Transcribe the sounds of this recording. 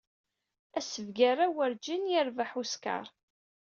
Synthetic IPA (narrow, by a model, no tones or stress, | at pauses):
æsəvɡaɾˤawəɾd͡ʒinjɪɾvaħuska̰ɾˤ